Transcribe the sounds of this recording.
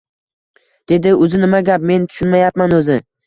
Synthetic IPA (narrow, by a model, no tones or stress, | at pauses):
d̪̥e̞d̪ɪʊzɪnɪmaɡʲap̚me̞nt̪ʰʊ̥ʃʊnmajap̚manɵzɪ